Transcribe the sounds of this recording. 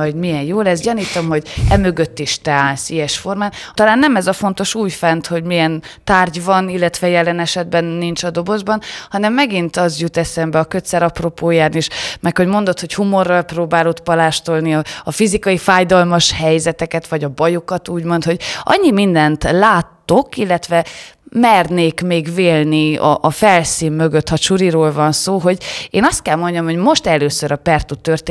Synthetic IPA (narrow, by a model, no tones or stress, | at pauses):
ɔɟmijɛnjoːlɛzɟɒniːt̪o̞mho̞ɟɛmø̞ɡø̞t̪ːiʃt̪ɛaːnsijɛʃfo̞rmaːnt̪ɒlaːnːɛmɛzɒfo̞nt̪o̞ʃuːjfɛnt̪ho̞ɟmijɛnt̪aːrɟvɒnilːɛt̪vʋɛjɛlːɛnɛʃɛd̪bɛnːint͡ʃɒd̪o̞bo̞zbɒnhɒnɛmːɛɡint̪ɒzjut̪ɛsɛmbɛɒkø̞t̪sɛɾɒpro̞poːjaːrnieːʃmɛkho̞ɟmo̞nd̪o̞t̪ho̞chumo̞rːɒlproːbaːlot̪pɒlaːʃt̪o̞lniɒɒfizikɒjifaːjd̪ɒlmɒʃhɛjzɛt̪ɛkɛt̪ʋɒɟɒbɒjokɒt̪uːɟmo̞nt̪ho̞ɟʔɒ̰ɲːimind̪ɛnt̪laːt̪ːokilːɛt̪ʋɛ | mɛrneːkmeːɡveːlniɒ̰ʔːfɛlsiːnmøɡøt̪ːhɒʃuɾiɾoːlvɒnsoːɦo̞ɟeːnɒst̪̚kɛlmo̞ɲɟɒmho̞ɟmo̞ʃt̪ɛløːsøɾʔɒpɛrt̪ut̪ːørt̪e